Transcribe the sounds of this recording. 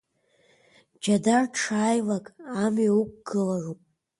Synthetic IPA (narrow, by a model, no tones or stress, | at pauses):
d͡ʒadarʈ͡ʂʰaːjlakʼamɥaukʷɡ̥ɨlaropʼ